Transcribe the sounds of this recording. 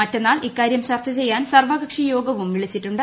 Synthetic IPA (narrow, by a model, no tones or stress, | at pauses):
mɐtːɐnːaːɭikːaːɾjɐmɕɐrt͡ɕːɐt͡ɕe̞jːaːnsɐrʋɐɡɐkʂijo̞ːɡɐʋumʋiɭit͡ɕːitːuɳɖɨ